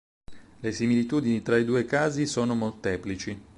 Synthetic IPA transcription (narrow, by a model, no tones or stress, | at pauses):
lesimilit̪uːd̪init̪ɾaid̪uːekaːzisoːnomolt̪ɛːplit͡ʃi